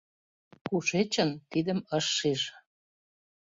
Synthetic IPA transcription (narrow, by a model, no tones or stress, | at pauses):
kuʃet͡ɕənt̪id̪əməʃːiʒ